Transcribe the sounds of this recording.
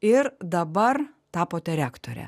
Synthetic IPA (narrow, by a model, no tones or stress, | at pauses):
ɪɾd̪ɐbɐɾ | t̪ɑːpoːt̪ʲɛɾʲæːkt̪o̰ːɾʲɛ̰